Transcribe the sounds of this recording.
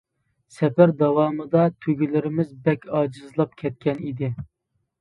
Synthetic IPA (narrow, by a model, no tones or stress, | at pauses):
sɛpæɾd̪ɑwɑːmɨd̪ɑt̪ʰøɡʲilɪɾɪmɪzbɛkʲɑːd͡ʒɨzlˠɑp̚kʲʰɛt̪̚kʲʰɛnid̪ɪ